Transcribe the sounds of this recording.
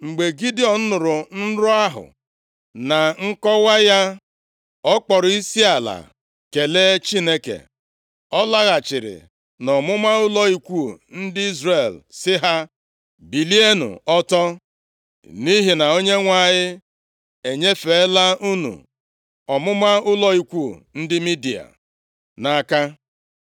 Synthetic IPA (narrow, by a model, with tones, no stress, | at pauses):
ŋ͡m̩˨ɡ͡be˨ɡi˦dɪ˦ɔ˨n̩˦nʊ˨ɾʊ˨n̩˦ɾʊ˦a˦ɦʊ̰˨ | na˨ŋ̩˦kɔ˦wa˦ja˦ | ɔ˦k͡pɔ˨ɾʊ˨i˦si˦a˨la̰˨ | ke˨le˦t͡ʃi˦ne˦kḛ˨ | ɔ˦la˦ɣa˨t͡ʃɪ˨ɾɪ̰˨ | nɔ˨mʊ˦ma˦ʊ˦lɔ˦i˦kʷu˦˨n̩˦dɪ˦i˦zre˦˨lsɪ˦ɦa˦ | bi˨li˦e˦nṵ˨ɔ˦tɔ˦ | ni˦ɦi˨na˨o˦ɲe˦ŋʷa˦˨ɲɪ˦ | e˨ɲe˦fe˨˦la˦u˦nṵ˨ | ɔ˨mʊ˦ma˦ʊ˦lɔ˦i˦kʷu˦˨n̩˦dɪ˦mi˦di˨a̰˨ | na˨ka˦